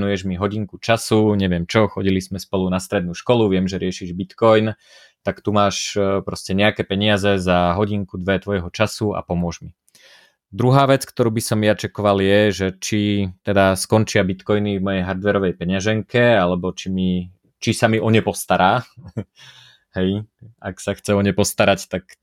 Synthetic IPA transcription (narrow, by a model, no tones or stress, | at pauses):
nujɛʒmiɦɔɟiŋkut͡ʃasuɲɛʋɪɛmt͡ʃɔxɔɟilizmɛspɔlunast̪ɾɛd̪nuːʃkɔluʋɪɛmʒɛɾɪɛʃiʒbit̪kɔjn | t̪akt̪umaːʃpɾɔscɛɲɛakɛːpɛɲɪazɛzaɦɔɟiŋkud̪ʋɛt̪ʋɔjɦɔt͡ʃasua̰pɔmʊɔʒmi | d̪ɾuɦaːʋɛt͡skt̪ɔɾuːbisɔmjat͡ʃɛkɔʋaljɛʒɛt͡ʃit̪ɛd̪askɔnt͡ʃɪabit̪kɔjnivmɔjɛjɦaɾd̪ʋɛɾɔʋɛjpɛɲaʒɛŋkɛalɛbɔt͡ʃimi | t͡ʃisamiʔɔɲɛpɔst̪aɾʔaː | hɛja̰ksaxt͡sɛɔɲɛpɔst̪aɾact̪ak